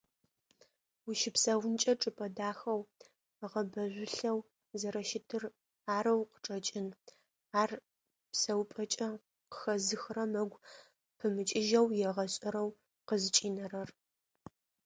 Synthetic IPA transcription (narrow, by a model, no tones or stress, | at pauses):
wuʃɪpsɐwʊnt͡ʃʼɐʈ͡ʂʼɨpʼɐdaːxɐw | ʁɐbɐʑʷʊɬɐw | zɐɾɐʃɪtʰɨr | aːɾɐwqə̥ʈ͡ʂʼɐt͡ʃʼɪn | aːr | psɐwpʼɐt͡ʃʼɐ | qə̥xɐzɨxrɐmɐɡʷ | pʰɨmɨt͡ʃʼɪʒɐwjɛʁɐɕʼɐɾɐw | qəzɨt͡ʃʼiːnɐrɐr